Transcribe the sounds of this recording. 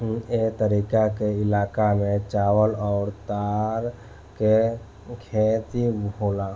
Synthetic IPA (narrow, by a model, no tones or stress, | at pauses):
et̪əɾiːkakeɪlaːkamẽt͡ʃaːwəlɔʊɾt̪aːɾ | ke | kʰet̪ibʱoːla